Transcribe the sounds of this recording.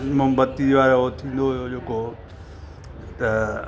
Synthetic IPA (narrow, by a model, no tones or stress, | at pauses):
mʊmbət̪ːiʋaːɾoot̪ʰĩːnd̪oɦʊjod͡ʑeːko | t̪ɐ